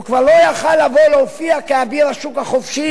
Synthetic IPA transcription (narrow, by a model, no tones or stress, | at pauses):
ukvaʁlo̞jaχalːavo̞leofiakeabiʁaʃukhaχofʃi